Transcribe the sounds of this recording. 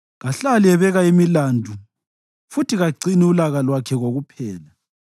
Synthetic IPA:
ɣaɬaliɛβɛɣaimilandʱu | futiɣaǀiniulaɣalwakʰɛɣoɣupʰɛːla

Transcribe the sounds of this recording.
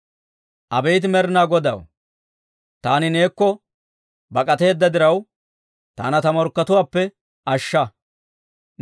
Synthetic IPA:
ʔɐbɛjt̪ɪmɛɾnaːɡɔd̪ɐ̰w | t̪aːnɪne̞ːkːɔ | bɐkʼɐt̪e̞ːd̪ːɐd̪ɪɾɐw | t̪a̰ːnɐt̪ɐmɔɾkːɐt̪ʊwaːpːɛ | ʔɐʃːɐ

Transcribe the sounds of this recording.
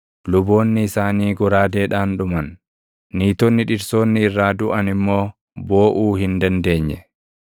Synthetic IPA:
lʊbo̞ːnːɪsaːniːɡɔɾaːd̪e̞ːᶑaːnᶑʊmɐnː | iːt̪ɔnːɪᶑɪɾso̞ːnːɪːrːaːd̪ʊʔɐnɪmːo̞ː | bo̞ːʔuːhɪnd̪ɐnd̪e̞ːɲːɛ

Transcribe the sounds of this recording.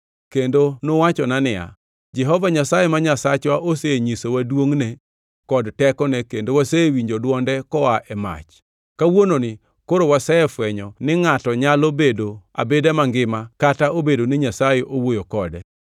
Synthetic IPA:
kendonowat͡ʃɔnanɪa̰ | d͡ʒɛɦɔvaɲasajemaɲasat͡ʃwaʔoseɲisowadwoŋne | kɔdtɛkɔnɛkendowasewiɲd͡ʒodwɔndɛkɔaʔɛma̰t͡ʃ | kawononɪ | koɾowasɛɛfwɛɲɔnɪŋatɔɲalobedoa̰bedɛmaŋɡɪmakataobedonɪɲasajeʔowojokɔdɛ

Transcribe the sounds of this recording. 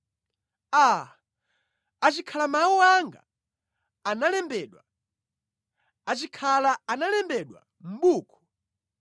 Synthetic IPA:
a | at͡ʃikʰalamawuwaŋɡa̰ | analɛmbɛɗwa | at͡ʃikʰalaanalɛmbɛɗwa̰ | m̩ɓuːkʰɔ̥

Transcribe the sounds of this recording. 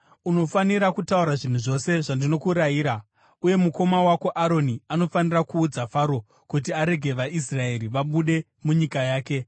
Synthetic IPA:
uno̞faniɾakutauɾaʐin̤uʐo̞se̞ʐandino̞kuɾajiːɾa | uje̞muko̞mawako̞ʔaɾo̞niano̞fanirakuːd͡zafaːɾo̞ | kut̬iaɾe̞ɡʱe̞ʋais̬rae̞ɾiʋaɓuɗe̞ | muɲikajaːke̞

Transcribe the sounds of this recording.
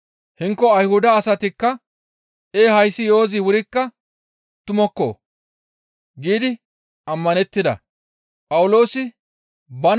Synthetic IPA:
hɪŋkːɔɐjhʊd̪ɐːsɐt̪ɪkːɐ | ʔeːhɐjsɪjo̞ːzɪwʊɾɪkːɐ | t̪ʊmɔkːo̰ː | ɡiːd̪ɪ | ɐmːɐnɛt̪ːɪd̪ɐ̰ | pʼɐwʊlo̞ːsɪ | bɐn

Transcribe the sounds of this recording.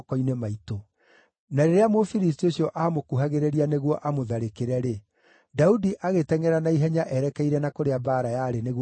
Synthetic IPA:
kɔinemaito | naɾeɾeamofiɾis̬tioɕjɔʔaːmokuɦaɣeɾeɾianeɣwɔʔamoðaɾekeɾɛɾe | daudiʔaɣetɛŋɛɾanaiɦɛɲaʔɛɾɛkɛiɾɛnakoɾeabaːɾajaɾeneɣ

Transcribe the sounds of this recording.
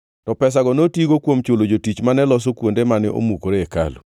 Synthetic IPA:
tɔpɛs̬aɡɔnotiɡokwomt͡ʃolod͡ʒotit͡ʃmanɛlɔs̬okwondemanɛ̰ʔo̰mukoɾeeka̰lṵ

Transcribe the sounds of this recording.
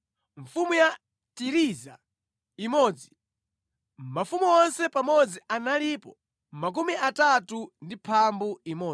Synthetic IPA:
ɱ̩fumuja | tiɾiza̰ | imɔːd͡zi̥ | mafumuɔnsɛpamɔd͡zianalipɔ | mak̬umiʔatatundipʰambuimɔː

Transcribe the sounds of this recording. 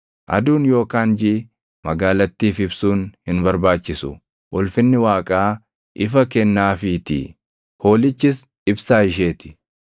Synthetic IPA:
ʔɐ̰d̪uːnjo̞ːkaːnd͡ʒɪ | mɐɡaːlɐt̪ːiːfɪbsuːnhɪnbɐɾbaːt͡ʃːɪsʊ | wʔɔlfɪnːɪwaːkʼaː | ʔɪfɐkɛnːaːfit̪ɪ̰ | ho̞ːlɪt͡ʃːɪs | ɪbsaːɪʃ̬eːt̪ɪ̥

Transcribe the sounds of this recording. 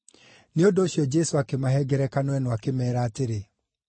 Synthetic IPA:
neondoːɕjɔd͡ʒɛsoakemaɦɛɡɛɾɛkanwɛnoakemɛːɾaːteɾe

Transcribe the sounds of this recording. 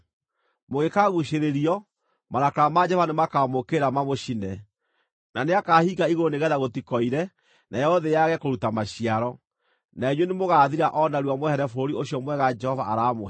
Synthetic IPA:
moɣekaɣuʃeɾeɾiɔ | maɾakɾamad͡ʒɛvanemakamokeɾamamoʃinɛ | naneakahiɣaiɣoneɣɛðaɣotikɔiɾɛ | nʔajɔoðejaɣɛkoɾutamaɕiaɾɔ | naeɲwenemoɣaːðiɾaʔɔnaɾuamwhɛɾɛfoɾioɕjɔmwɛɣad͡ʒɛhɔvaʔaɾaːmo

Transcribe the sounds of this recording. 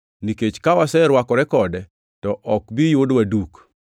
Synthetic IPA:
niket͡ʃkawasɛɾwakɔɾɛkɔdɛ | tɔʔɔkbijodwaduk

